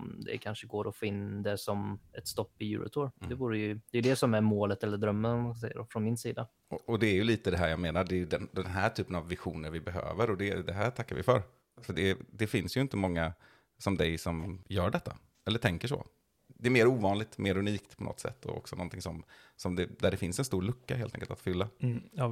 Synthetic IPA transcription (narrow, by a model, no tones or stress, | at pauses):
md̪ɛ̰kʰanʂəɡoːɾɔfɪnd̪ɛsɔmɛt̪st̪ɔpːɪjʉ̰ːɾʔʊ̰t̪ʰoːɾd̪ɛvuːɾəjɵd̪̥ɛjɵd̪ɛsɔmæɾmoːlət̪ɛlːəɖ̪ɾœmːənɔmasɛjə̰dɔfɾɔnmɪnsiːd̪a | ɔɔd̪ɛːjɵliːt̪əd̪ɛɦæːɾjɑːɡmeːnaɖɛːjɵd̪ɛnd̪ɛnɦæːʈʰyːpənavːɪɧuːnəɾvɪbɛɦø̰ːvəɾɔd̪ɛd̪ɛɦæʈʰakːaɾvɪ̰fœɾ | fœɖɛd̪ɛfɪnsjɵɪnt̪əmɔŋːa | sɔmd̪ɛjsɔmjœːɖɛt̪ːa | ɛlːəʈʰɛŋkəʂɔ̰ | d̪ɛːɾmeːɾuːvɑːnlɪɡ̚t̪mʔeːɾɵniːk̚t̪pʰɔnɔ̰t̪ːsɛ̰t̪ːɔ̰ɔ̰ksɔnɔnt̪ʰɪŋsɔmsɔmd̪ɛd̪æɖɛfɪnsɛnst̪uːɾɭɵkːaɦeːlt̪ɛ̰̃ŋkəlt̪at̪fʏlːa